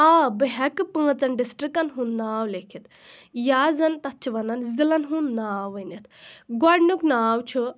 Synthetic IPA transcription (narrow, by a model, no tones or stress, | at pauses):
abɨɦɛkɨpə̃ːt͡sɐnɖisʈɾikɐnɦũnːaːwlekʰit̪ | jaːzɐnt̪ɐt̪̚t͡ʃʰiʋɐnɐnzilɐnɦũnːaːwənɐt̪ʰɡɔɖnuknaːwt͡ʃʰu